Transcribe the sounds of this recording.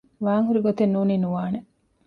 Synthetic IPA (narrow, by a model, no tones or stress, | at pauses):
ʋaːŋɦuɾiɡot̪enːuːninuʋaːne